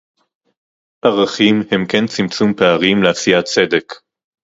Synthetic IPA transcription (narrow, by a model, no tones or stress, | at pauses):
ʔaʁaχimhe̞mkent͡simt͡sumpeaʁimleasijat͡se̞d̪e̞k